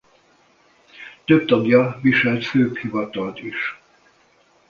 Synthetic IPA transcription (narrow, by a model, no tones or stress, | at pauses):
t̪øb̚t̪ɒɡjɒviʃɛlt̪føːphivɒt̪ɒlt̪iʃ